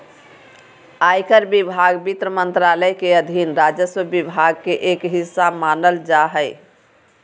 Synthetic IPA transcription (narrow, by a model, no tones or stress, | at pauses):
ajkəɾbibʱaɡbit̪ɾəmənt̪ɾaləjkeəd̪ʱinɾad͡ʒəswəbibʱaɡ̚keʔekɦisːamanəld͡ʒaɦəɪ